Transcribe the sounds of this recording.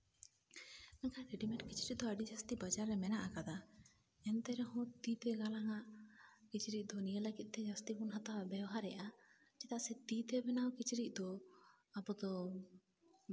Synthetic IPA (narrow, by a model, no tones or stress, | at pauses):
nakaɡiɖimɛʈkit͡ʃʰɾic̚ˀd̪ɔaɖid͡ʒast̪ibad͡ʒaɾːɛmɛnaʔakad̪a | ɛnt̪ɛɾɛhɔ̃t̪it̪ɛɡalaŋaʔkit͡ʃʰiɾic̚ˀd̪ɔnijələɡit̪̚ˀt̪ɛd͡ʒast̪ibunɦat̪awaʔbɛwɦaɾɛʔa | d͡ʒɛt̪aʔsɛt̪it̪ɛbɛnawkit͡ʃiɾic̚ˀd̪ɔ | abɔd̪ɔ